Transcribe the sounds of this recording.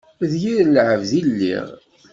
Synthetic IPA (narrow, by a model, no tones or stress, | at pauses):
ðjiɾlʕəvðilːḭʁ